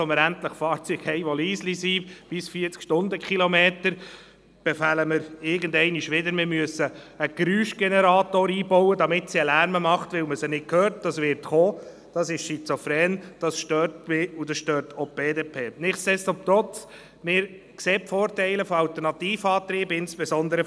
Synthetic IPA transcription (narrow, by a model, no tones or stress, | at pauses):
ɔməɾæntləχfɑːɾt͡syːɡ̥hɛɪʋɔliːslisib̥ɪsfiːɾt͡skʃtʊndəkχilɔmeːtəɾ | b̥ɛfæləməɾɪɾɡəndɛɪniʃʋɪdəɾmɪɾmyəsːəː | ɡ̥ɾyːʃɡ̥enɛɾɑːt̪oːɾiːbɔwədɑmɪtsiəlæɾməmɑχtʋɪlməsənɪt̚kʰøːɾt̚d̥ɑsʋɪɾtχoː | d̥ɑsɪʃsit͡sofɾɛːnd̥ɑsʃtøːɾtmɪudɑsʃtøːɾtʰob̥eːdepʰeːnɪχtsɛstomt̪ɾɔt͡s | mɪːɾ | kseːpfoːrtɛɪləfɔɑlt̪ɛɾnɑtiːfɑːt̪ɾiːbəɪnsb̥ɛzɔnd̪əɾə